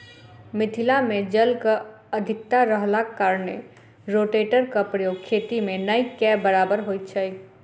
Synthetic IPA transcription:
mɪt̪ʰɪlamẽd͡ʒəlka | ɐd̪ʱɪk̚t̪aɾəɦlaːkːaːɾnḛ | ɾoːʈeːʈəɾkapɾəjoːɡ̚kʰeːt̪imẽnəikɛːbəɾaːbəɾɦoːit̪t͡ʃʰai

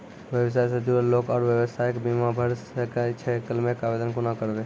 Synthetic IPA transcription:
ʋjəʋs̬aːjsəd̪iəlloːkaːɾʋjəʋəst̪ʰajekbimabʱəɾsəkt͡ʃʰekəlmẽkaʋed̪ənkonakəɾʋeː

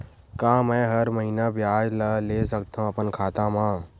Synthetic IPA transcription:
kãːmɛ̃ɦəɾməɦinabjaːd͡ʒləlesəkt̪aɦũəpənkʰaːt̪ãmãː

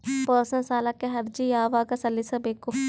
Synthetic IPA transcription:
pɔːsɐ̃nsaːlakeɦɐɾd͡ʒijaːʋaːɡɐsɐlːisɐbeːkːo

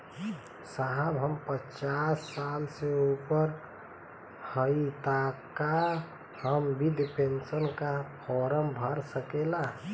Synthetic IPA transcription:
saɦəbɦəmpət͡ʃasːalseupəɾ | həit̪aka | həmbid̪ipensənkapʰɔɾəmbʱəɾsəkela

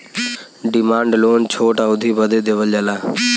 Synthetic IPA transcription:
ɖɪmaːɳɖloːnt͡ʃʰoːʈaːʊd̪ʱiːbəd̪eːd̪eːʋələlaː

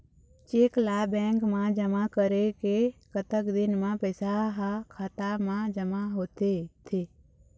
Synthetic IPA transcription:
t͡ʃeːklabɛ̃ːŋkmãd͡ʒəmakəɾekekət̪əkd̪ɪnmãpəsaɦakʰaːt̪amãd͡ʒəmaɦoːt̪et̪ʰe

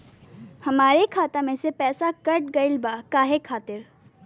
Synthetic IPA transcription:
hɐmaːɾekʰaːt̪amẽsepɛːsakɐʈ̚ɡɐɪlbaːkaːɦekʰaːt̪ɪɾ

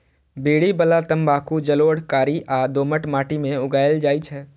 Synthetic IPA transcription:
beːɽibəlat̪əmbʱaːkud͡ʒəloːɽkaːɾiʔaːd̪oːməʈmaːʈimẽʊɡaːjld͡ʒaːit͡ʃʰɛː

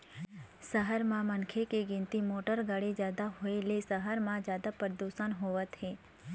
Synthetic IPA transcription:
səɦəɾmãmənkʰekeɡɪ̃nt̪imoːʈəɾɡəɽed͡ʒjaːd̪aɦoelesəɦəɾmãd͡ʒjaːd̪apəɾd̪uːsanɦoʋət̪ɦeː

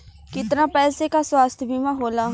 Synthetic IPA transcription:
kɪt̪ɾãːpɛːseːkaːswaːst̪ʰbʱiːmãːɦoːlaː

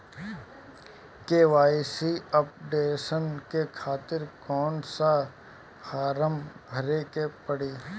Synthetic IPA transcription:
keːʋaːisiəp̚ɖeːʃənkekʰaːt̪ɪɾkɔːnsa | haːɾəmɡʱəɾekepəɽiː

